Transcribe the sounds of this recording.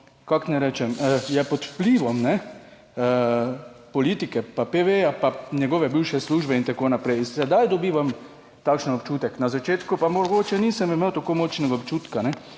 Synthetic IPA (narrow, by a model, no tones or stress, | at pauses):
kaknɛɾɛːt͡ʃɛməjɛpɔt̪wpliːʋɔmnɛ | pɔliːt̪ikɛpapeʋeapanjɛɡɔʋɛbiwʃɛsluːʒbɛint̪akoːnapɾɛjnsɛd̪ajd̪ɔbiːʋam | t̪akʃnənɔpt͡ʃuːt̪ɛknazat͡ʃeːt̪kupamoɡoːt͡ʃɛniːsəmimewt̪akomot͡ʃnɛɡaopt͡ʃuːt̪kanɛ